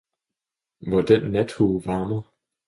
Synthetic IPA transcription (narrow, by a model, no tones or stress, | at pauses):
ʋɒd̥ænːæd̥huːʋɑ̈ːmɐ